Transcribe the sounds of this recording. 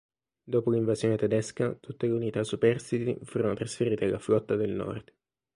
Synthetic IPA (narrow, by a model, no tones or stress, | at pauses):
d̪oːpoliɱvazjoːnet̪ɛd̪ɛskat̪ut̪ːeleunit̪asupɛrsit̪ḭfuːɾonot̪ɾasfeɾiːt̪ealːaflɔt̪ːad̪elnɔ̰rd̪̥